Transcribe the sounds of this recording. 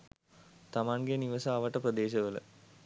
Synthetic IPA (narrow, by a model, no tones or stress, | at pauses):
t̪amaːnɡeniʋɐsaːʋɐʈːɐprɐd̪eːʃɐʋələ̰